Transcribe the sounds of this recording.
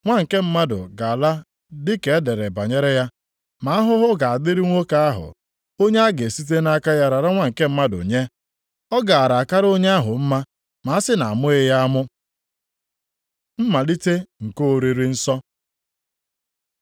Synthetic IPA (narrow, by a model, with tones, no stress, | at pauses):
ŋʷa˦ŋ̩˨ke˦m̩˦ma˦dʊ̰˨ɡa˨la˦ | dɪ˦ke˨˦de˨ɾe˨ba˨ɲe˦ɾe˦ja˦ | ma˨˦a˦ɦʊ˦ɦʊ˦ɡa˨a˨dɪ˦ɾi˦ŋʷo˦ka˦a˦ɦʊ̰˨ | o˦ɲe˦a˦ɡe˨si˦t̬e˦na˦ka˦ja˦ɾa˨ɾa˦ŋʷa˦ŋ̩˨ke˦m̩˦ma˦dʊ̰˨ɲe˦ | ɔ˦ɡa˨a˨ɾa˨ka˦ɾo˦ɲe˦a˦ɦʊ˨m̩˦ma˦ | ma˨˦a˦sɪ˦na̰˨a˨mʊ˦e˦ja˦a˦mʊ˦ | m̩˦ma˨li˦te˦ŋ̩˨ko˦o˨ɾi˦ɾi˦n̩˦sɔ˦